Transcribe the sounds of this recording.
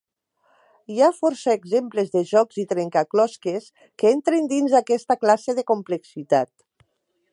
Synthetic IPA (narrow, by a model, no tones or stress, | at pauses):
iafɔɾsaeɡzemplezðəʒɔkzit̪ɾeŋkaklɔskes | kəent̪ɾind̪inzðakɛst̪aklaseðəkumpleksit̪at̪̚